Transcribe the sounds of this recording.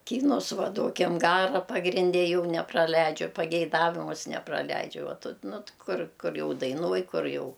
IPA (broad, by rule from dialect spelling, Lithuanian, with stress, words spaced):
ˈkʲiːnʊs ˈʋɐ ˈduɔkʲɪm ˈɡɑːrɐ pɐɡrʲɪnʲˈdʲɛ ˈjɛʊ nʲɛprɐˈlʲɛɪd͡ʒʲʊ pɐɡʲɛɪˈdɑːʋʲɪmʊs nʲɛprɐˈlʲɛɪd͡ʒʲʊ ˈʋɐ ˈtʊ ˈnʊ t ˈkʊr ˈkʊr ˈjɛʊ dɐɪˈnuɔj ˈkʊr ˈjɛʊ